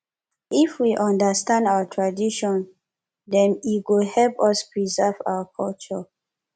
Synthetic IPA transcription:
ʔifwiʔɔ̃ndəstãndawətʰɹadiʃɔ̃n | dɛ̃niwilhɛlpɔspɹizɛva̰wəkʰɔlt͡ʃɔ

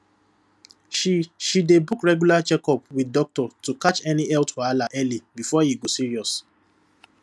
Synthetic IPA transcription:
ʃʃidebukɹɛɡjulat͡ʃɛkɔpwidɔk̚tɔtukat͡ʃɛniɛltwalaʔɛlibifɔhiɡosiɹiɔs

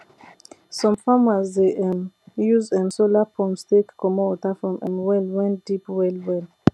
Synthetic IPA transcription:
sɔ̃mfamazdeʔɛ̃mjuzɛ̃nsolapʰɔ̃mstekkʰːɔmɔɔtafɹɔ̃mʔɛ̃nwɛlwɛ̃ndipwɛlwɛl

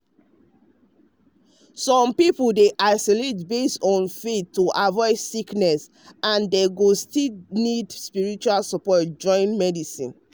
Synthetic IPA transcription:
sɔ̃mpipoldeʔaɪsɔletbestɔ̃nfetːoʔavɔɪsiknɛs | ãndeɡostinidspiɹit͡ʃualsɔpɔt̚d͡ʒɔ̃ɪ̃nmɛdisḭ̃n

